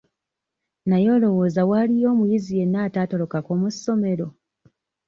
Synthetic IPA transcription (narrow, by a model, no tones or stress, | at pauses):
najo̞ːlo̞wo̞ːzawalijo̞ːmujizije̞nːaːtaːto̞lo̞kakoːmusːo̞me̞ɾo̞